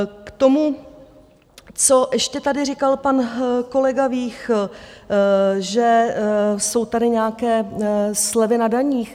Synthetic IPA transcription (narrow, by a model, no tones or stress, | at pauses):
kt̪o̞mu | t͡so̞ʔɛʃcɛt̪adɪrɪkalpanko̞lɛɡaviːx | ʒɛ | so̞wt̪adɪɲɛakɛːslɛvɪnadaɲiːx